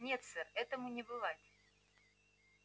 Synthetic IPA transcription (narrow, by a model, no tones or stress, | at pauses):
nʲet̪sɛrɛt̪əmʊnʲɪbɨvatʲ